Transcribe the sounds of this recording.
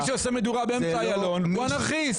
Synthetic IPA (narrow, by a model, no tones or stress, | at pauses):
ʃeosemed̪uʁabeemsaajalo̞nuanaχis